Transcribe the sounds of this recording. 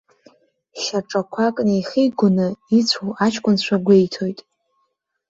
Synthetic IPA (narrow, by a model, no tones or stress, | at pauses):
ʃaʈ͡ʂʼakʷʰakʼnejχijɡʷʊnɨit͡ɕʷʰowat͡ʃʰkʷʼʊnt͡ɕʷʰaɡʷe̞jtʰo̞jtʼ